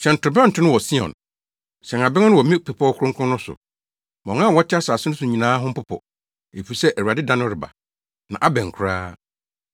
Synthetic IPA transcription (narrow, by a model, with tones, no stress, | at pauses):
ɕɛ̃˨n̩˨tʊ˨ɾbɛ̃˦n̩˨tʰɪ̃˦nʊ̃˦wɔ˨si˦ɔ̰̃˨n | ɕɛ̃˨ŋa˨bɪ˦ŋ˦nʊ̃˦wɔ˨mĩ˦˨pʰɛ˨pʰɔ˦kʰʊ̃˦ŋ˦kʰʊ̃˦nʊ̃˦sʊ̰˨ | mɔ̃˨ŋã˦˨wɔ˦tʰɪ˦a˦saː˨sɪ˦nʊ̃˦sʊ˨ɲĩ˨nãː˦ɦʊ̃˦m̩˦pʊ˦pʰɔ̰˨ | e˨fu˨sɛ˦ʔæ˨ɥa˨dɪ˦dã˦nʊ̃˦ɾɪ˨ba̰˨ | nã̰˨ʔa˦bɛ̃˨ŋ˨kʰʊ˨ɾaː˦